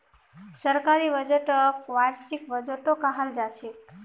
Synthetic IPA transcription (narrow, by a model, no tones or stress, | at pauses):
səɾkaɾibəd͡ʒəʈəkʋaɾsikbəd͡ʒəʈokaɦəld͡ʒat͡ʃʰik